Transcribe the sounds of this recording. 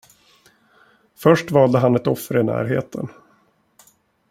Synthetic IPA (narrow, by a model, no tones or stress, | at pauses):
fœʂʈvɑːld̪əɦanɛt̪ɔfːəɾɪnæ̰ːɾɦḛːt̪ʰən